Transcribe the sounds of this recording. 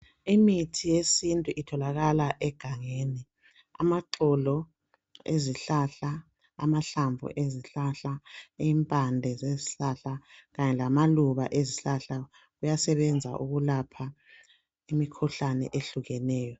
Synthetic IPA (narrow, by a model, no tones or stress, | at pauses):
imitʰijesintʼuʔitʰɔlaɣalaʔɛɡ̥ʱaŋeːni | a̰maǀʰɔlɔ | eziɬaɬa | a̰maɬaɱvʱṵʔeziɬaɬaiːmpʼandʱɛzeziɬaɬaɣaɲɛlamaluβa̰ʔeziɬaɬa | ɣujasɛβɛnd͡zʱa̰ʔuɣulapʰa | imikʰuɬanɛ̰ʔeɬuɣɛnɛːjɔ